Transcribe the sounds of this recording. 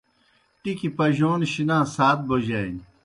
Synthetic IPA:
ʈikipɐʑoːnɕinãːsaːt̪̚bod͡ʑaːn

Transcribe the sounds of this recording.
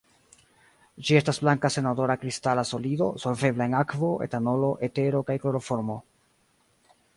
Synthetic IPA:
d͡ʒie̞stasblaŋkase̞nado̞ɾakɾistalaso̞lido̞̰so̞lve̞blae̞nakvo̞ʔe̞̰tano̞lo̞ʔe̞te̞ɾo̞kajklo̞ɾo̞fo̞ɾmo̞

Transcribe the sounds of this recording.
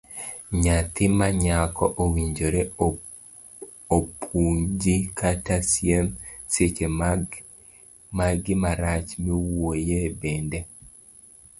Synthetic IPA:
ɲat̪ɪmaɲakɔʔowiɲd͡ʒoɾe | opʰuɲd͡ʒikʰatasjemset͡ʃe | maɡɪmaɾat͡ʃmiwojebendɛ

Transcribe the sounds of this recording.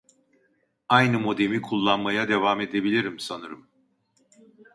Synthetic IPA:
ajnɯmo̞d̪e̞mikʰulˠːanmajad̪e̞vame̞d̪e̞bilʲiɾimsanɯɾɯm

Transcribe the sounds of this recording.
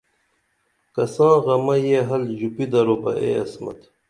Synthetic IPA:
kɐsãːɣɐmɐjeɦɐlʑupid̪ɐɾobɐ̰ʔḛːɐ̰smɐ̰t̪

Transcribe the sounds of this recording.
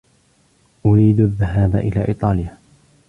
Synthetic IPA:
ʔʊɾiːd̪aðːaɦaːba̰ʔɪ̰laːʔḭːt̪ˤɑːlɪjaː

